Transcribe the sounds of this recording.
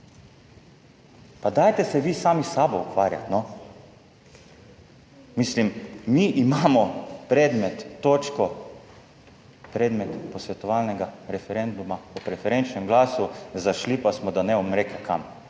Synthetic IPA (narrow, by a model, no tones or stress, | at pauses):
pad̪aːjt̪ɛsɛʋiːsaːmisaːbɔukʋaːɾja̰t̪nɔ | mislimːiʔimaːmɔpɾɛːd̪mɛt̪ːoːt͡ʃkɔ | pɾɛːd̪mɛt̪pɔsʋɛt̪ɔʋalnɛɡaɾɛfɛɾɛnd̪umaɔpɾɛfɛɾɛnt͡ʃnɛmɡlaːsuzaʃlipasmɔd̪anɛɔmɾekakʰam